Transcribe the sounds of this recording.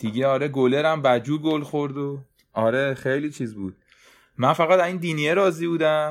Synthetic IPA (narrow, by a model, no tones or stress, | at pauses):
d̪̥iɟeɒːɾeɡole̞ɾæmbæd͡ʒuːɡolxoɾd̪o | ɒːɾexe̞jlit͡ʃʰiːzbuːd̪̥̚ | mænfæɣæt̪æzind̪iːnieɾɒːziːbuːd̪æm